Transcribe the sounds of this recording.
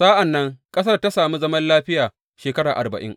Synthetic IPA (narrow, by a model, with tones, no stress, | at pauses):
saː˦ʔa˨nːɐ˦ŋkʼɐ˦s̬ɐ˦rta˦saː˨mu˦zɐ˦mɐ˦nlaː˦ɸɪ˦jaː˨ | ʃeː˨kɐ˦ɽaː˨ʔa̰˨rbɐ̰˨ʔɪ̰˦ŋ